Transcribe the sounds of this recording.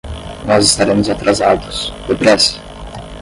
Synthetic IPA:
nɔzɪst̪aɾẽmʊzat̪ɾʔazad̪ʊspepɾɛsɐ̥

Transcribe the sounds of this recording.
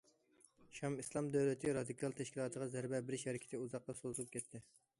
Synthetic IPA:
ʃɑmislˠɑmd̪æwlɪt̪ʰɪɾɑd̪ikʰɑlˠt̪ʰɛʃkʲilˠɑːt̪ʰəʁɑzæɾbɛbɪɾɪʃhɛɾɪkʲʰɪ̥t̪ʰɪuzɑq̚t̪ɑsolˠp̚kʲʰɛt̪ʰːɪ

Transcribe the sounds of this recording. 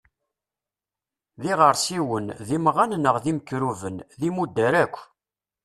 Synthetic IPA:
ðiʁəɾˤsiwənðimʁannəʁðiməkːɾuvənðimud̪ːæɾækʷː

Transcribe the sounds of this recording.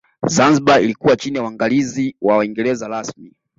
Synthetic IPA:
zanziɓailikuwat͡ʃinijawaŋɡaliziwawaiŋɡɛɾɛzaɾasmi

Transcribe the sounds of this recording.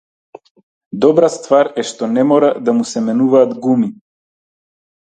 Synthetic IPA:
d̪ɔbɾast̪vaɾɛʃt̪ɔnɛmɔɾad̪amusɛmɛnuvaːd̪ɡumi

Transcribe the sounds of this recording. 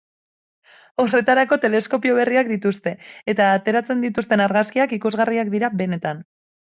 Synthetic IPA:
o̞re̞t̪aɾako̞t̪e̞le̞sko̞pio̞β̞e̞riakd̪it̪ust̪e̞ːt̪aːt̪e̞ɾat͡se̞nd̪it̪ust̪e̞naɾɣaskiakikuzɣariakd̪iɾaβe̞ne̞t̪an

